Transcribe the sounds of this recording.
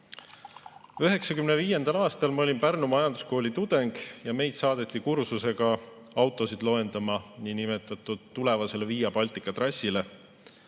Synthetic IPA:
øɦe̞ksɑkymneviːje̞nd̪ɑlɑːst̪ɑlmɑo̞lʲinpærnumɑjɑnd̪̥u̥sko̞ːlʲit̪ud̪̥e̞ŋɡ̥jɑme̞jd̪sɑːd̪̥e̞t̪ʲˑːikursuse̞ɡ̥ɑ | ɑwt̪ːˑo̞sid̪̥lo̞e̞nd̪ɑmɑninimet̪ːˑɑt̪ːˑud̪̥t̪ːule̞vɑse̞le̞viːjɑpɑlʲt̪ˑikːˑɑt̪rɑsːile

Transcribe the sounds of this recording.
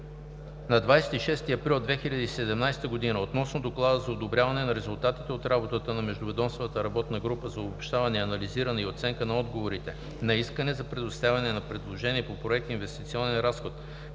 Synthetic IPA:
nɐd̪vajsɛ̥t̪iʃɛst̪iɐpɾilˠd̪vɛxiʎʲɐd̪isɛd̪ɛmnajst̪əɡod̪inəot̪nɔsnod̪oklˠad̪əzɐod̪obɾʲavɐnɛnɐɾɛzʊlˠt̪at̪it̪ɛot̪ɾabot̪ət̪ənɐmɛʒd̪ʊvɛd̪ɔmsvət̪əɾɐbɔt̪nəɡɾupəzɐobopʃt̪avɐnɛɐnɐliziɾɐnɛiot̪sɛŋkənɐɔd̪ɡovoɾit̪ɛ | nɐiskənɛzɐpɾɛd̪ʊst̪avʲɛnɛnɐpɾɛd̪lˠoʒɛniɛpopɾoɛk̚t̪invɛst̪it̪siɔnɛnɾasxot̪

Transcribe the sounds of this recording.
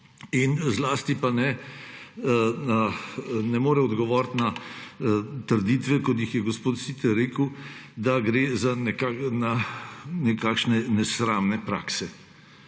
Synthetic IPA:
inzlaːst̪ipanɛ | nanɛmoːɾɛɔd̪ɡɔʋɔːɾt̪na | t̪əɾd̪iːt̪ʋɛkɔt̪̬jixjɛɡɔspoːt̪sit̪ɛɾeːkəw | d̪aɡɾeːzanɛkananɛkaːkʃnɛnɛsɾaːmnɛpɾa̰ːksɛ

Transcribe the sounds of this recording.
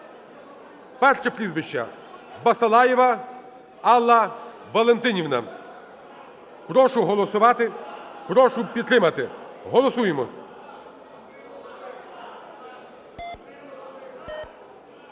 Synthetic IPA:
pɛrʃɐpɾʲizʋɪʃt͡ʃːɐ̰ | bɐsɐlˠɑjɪʋɐ | ɑlˠːɐ | ʋɐlˠent̪ɪnʲiwnɐ̰ | pɾɔʃʊɦɔlˠɔsʊʋɑt̪ɪpɾɔʃʊpʲid̪t̪ɾɪmɐt̪ɪɦɔlˠɔsujemɔ

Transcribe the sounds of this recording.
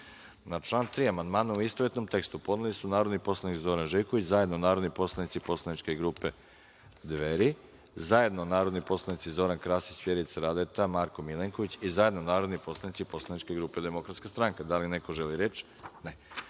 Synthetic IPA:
nat͡ʃlˠaːnt̪ɾiːamand̪maːnuuist̪oʋet̪no̞mt̪e̞kst̪upo̞d̪nulisunaːɾo̞d̪nipo̞slˠanikzo̞ɾanʒejkoit͡ɕzajed̪nonaːɾod̪nipo̞slˠanit̪sipo̞slˠanit͡ʃke̞ɡɾuːpe̞ | d̪ʋeɾi | zaje̞d̪nonaːɾo̞d̪nipo̞slˠanit̪sizo̞ɾankɾaːsit͡ɕfjeɾiit̪sɾad̪et̪amaɾko̞mileŋko̞ʋit͡ɕizaje̞d̪nonaːɾo̞d̪nipo̞slˠanit̪sipo̞slˠanit͡ʃkeɡɾuːpe̞d̪e̞mo̞kɾat̪skast̪ɾaŋkad̪alineko̞ʒeliɾet͡ʃ | ne

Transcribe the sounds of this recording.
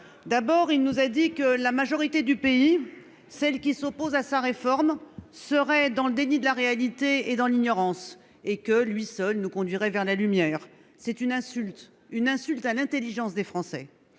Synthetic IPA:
d̪abɔʁilnuzad̪ikəlamaʒɔʁit̪ed̪ypei | sɛlkʲisopozasaʁefɔʁmsəʁɛd̪ɑ̃ləd̪enid̪əlaʁealit̪eed̪ɑ̃liɲɔʁɑ̃s | ekəlɥisœlnukɔ̃d̪ɥiʁɛvɛʁlalymjɛːʁ | sɛt̪ynɛ̃sylt̪ | ynɛ̃sylt̪alɛ̃t̪eliʒɑ̃sd̪efχɑ̃sɛ̰

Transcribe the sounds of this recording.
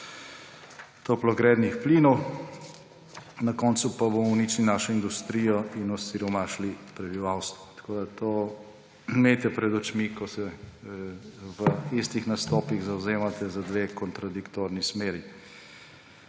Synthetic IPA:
t̪oplɔɡɾɛd̪nixpliːnɔw | nakɔnt̪supabomɔwnit͡ʃninaːʃɔind̪ust̪ɾiːjɔinɔsiɾɔmaʃlipɾɛbiʋawst̪ʋɔt̪kʰoːd̪at̪ʰoː | met̪ɛpɾɛd̪ɔt͡ʃmikɔsɛ | ʋəist̪ixnast̪ɔːpiɣzawzeːmat̪ɛzad̪ʋeːkɔnt̪ɾad̪ikt̪oːɾnismeːɾi

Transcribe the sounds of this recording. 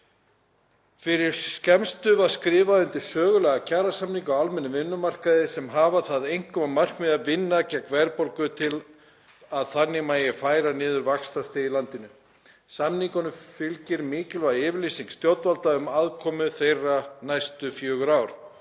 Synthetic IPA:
fɪɾɪɾ̥scɛmst̪ʏvaɾ̥skɾɪːvaʏnt̪ɪ̥sœːɣʏlɛːɣacaːɾasamniŋkaawalmɛnːʏvɪnːʏmar̥kaðɪsɛmɦaːvaθaðejŋ̥kʰɔmamar̥kmɪðavɪnːacakʰvɛɾpolkʏt̪ʰɪl | aðθanːɪmajɪfaːjɾanɪːðʏɾvakst̪ast̪eilant̪ɪnʏ | samniŋkanʏfɪlcɪɾmɪːcɪlvaɪːvɪɾlisiŋst̪jowt̪valt̪laʏmaðkʰɔːmʏθejrːanajst̪ʏfjœːɣʏɾaːwɾ̥

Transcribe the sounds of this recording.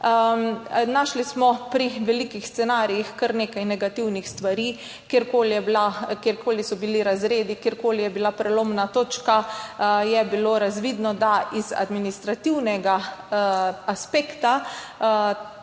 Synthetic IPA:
naːʃlismɔpɾiʋɛlikixst̪sɛnaːɾijixkəɾneːkajnɛɡat̪iwnixst̪ʋaɾiː | kjeɾkoːlijɛblakjeɾkʰoːlisɔbiliɾazɾeːd̪ikjeɾkoːlijɛbilapɾɛloːmnat̪oːt͡ʃkajɛbiloːɾazʋiːd̪nɔd̪aiza̰d̪minist̪ɾat̪iwnɛɡa | aspeːkt̪a

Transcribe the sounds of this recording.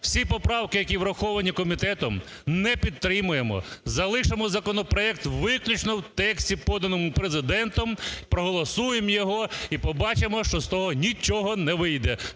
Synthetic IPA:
w̥sʲipɔpɾɑwkɪjɐkʲiwɾɐxɔʋɐnʲikɔmʲit̪ɛt̪ɔm | nɛpʲid̪̚t̪ɾɪmʊjemɔ̰zɐlˠɪʃemɔzɐkɔnɔpɾɔɛk̚t̪ʋɪklʲʊt͡ʃnɔwt̪ɛksʲtʲipɔd̪ɐnɔmʊpɾezɪd̪ɛnt̪ɔmpɾɔɦɔlˠɔsujemjɔɦɔipɔbɑt͡ʃemɔʃt͡ʃɔst̪ɔɦɔnʲit͡ʃɔɦɔnɛʋɪjd̪ɛ

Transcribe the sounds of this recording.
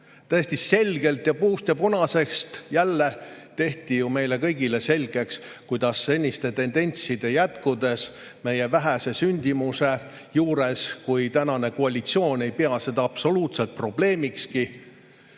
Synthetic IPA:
t̪æesʲt̪isse̞lʲɡe̞lt̪jɑpuːst̪jɑponɑse̞kst̪jælːe̞t̪e̞ht̪ijume̞jle̞kɤjɡ̥ile̞se̞lɡ̥e̞kskujd̪ɑsːe̞nʲːist̪e̞t̪e̞nd̪e̞nʲt̪sid̪̥e̞jæt̪kud̪e̞s | me̞je̞væɦæse̞synʲd̪̥imuse̞ | juːɾe̞skujt̪ænɑne̞koɑlʲit̪sio̞ːne̞jpeɑse̞d̪ɑɑb̥so̞luːt̪se̞lt̪̚pro̞b̥le̞ːmikski

